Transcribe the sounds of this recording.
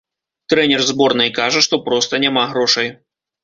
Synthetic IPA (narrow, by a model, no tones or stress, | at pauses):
t̪ɾɛnʲɛrzbɔrnɨjkaʐɐʂt̪ɔpɾɔst̪ɐnʲamaɣɾɔʂɐj